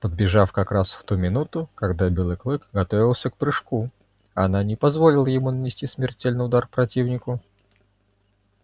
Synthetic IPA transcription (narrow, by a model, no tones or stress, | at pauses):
pəd̪̚bʲɪʐafkɐkɾasft̪umʲɪnut̪ʊkɐɡd̪abʲelˠɨklˠɨkɡɐt̪ovʲɪlˠsʲək̚pɾɨʂku | ɐnanʲɪpɐzvolʲɪlˠəjɪmunənʲɪsʲtʲismʲɪrtʲelʲnɨjʊd̪arpɾɐtʲivnʲɪkʊ